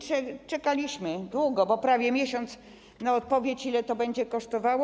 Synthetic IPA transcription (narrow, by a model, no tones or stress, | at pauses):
t͡ʂɛt͡ʂɛkalʲiɕmɘd̪wuɡɔbɔpɾavʲjɛmʲjeɕɔnt̪s | naɔt̪̚pɔvʲjet͡ɕilɛt̪ɔbɛɲd͡ʑɛkɔʂt̪ɔvawɔ